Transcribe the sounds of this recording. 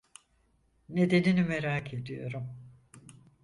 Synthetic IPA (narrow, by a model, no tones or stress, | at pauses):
ne̞d̪eninimeɾaːkʰe̞d̪ijo̞̰ɾum